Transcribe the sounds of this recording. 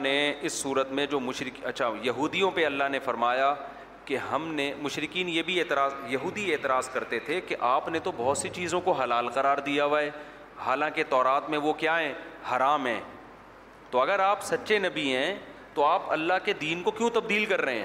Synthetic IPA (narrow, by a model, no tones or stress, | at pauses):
neɪsːuːɾət̪mẽd͡ʒoːmʊʃɾɪkɐtːʃʰajɐɦuːd̪ijõpeɐlːaɦnefɐɾmaːja | keɦɐmnemʊʃɾɪkiːnjeːbʱieːt̪ɪɾaːzjɐɦuːd̪ieːt̪ɪɾaːzkɐɾt̪et̪ʰekeʔaːpnet̪obɔɦʊt̪sit͡ʃiːzõkoɦɐlaːlqɐɾaːɾd̪ijaʋaeː | haːlãːket̪ɔːɾaːt̪mẽʋokjaːɦɛ̃ːhɐɾaːmɦɛ̰̃ː | t̪oɐɡəɾaːpsɐtːʃenɐbiɦɛ̃t̪oaːpɐ̰lːaɦked̪iːnkokjõt̪ɐb̚d̪iːlkɐɾːɐɦḛ̃ɦ